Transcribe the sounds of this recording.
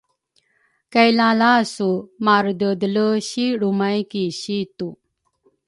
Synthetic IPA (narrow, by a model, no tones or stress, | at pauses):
kəjlãlasumaɾd̪əd̪ləɕiɽumajkiɕit̪u